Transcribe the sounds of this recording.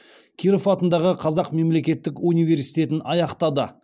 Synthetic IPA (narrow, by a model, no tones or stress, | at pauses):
kʲʰiɾofɑt̪ənd̪ɑʁəqʰɑzɑqme̞mle̞kʲe̞t̪ːɪkunijve̞ɾsijt̪e̞t̪ɪnɑjɑqt̪ɑd̪ə